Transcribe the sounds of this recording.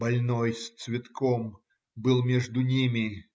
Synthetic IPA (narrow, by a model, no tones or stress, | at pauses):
bɐlʲnojst̪svʲɪt̪kʰɔm | bɨlˠmʲeʐd̪ʊnʲimʲɪ